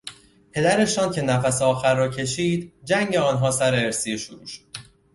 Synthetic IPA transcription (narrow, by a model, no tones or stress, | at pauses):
pʰe̞d̪æɾe̞ʃɒːncʰe̞næfæseɒːxæɾːɒːcʰe̞ʃiːd̪d͡ʒæŋɟe̞ɒːnɦɒːsæɾe̞ːɾsijeʃoɾṵːʃo̥d̪̥